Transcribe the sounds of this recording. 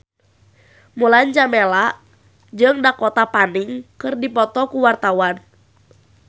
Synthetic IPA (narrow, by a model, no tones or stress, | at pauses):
muland͡ʒamelaʔ | d͡ʒɨŋdakɔt̪apaniŋkɨrdipɔt̪ɔkuwart̪awan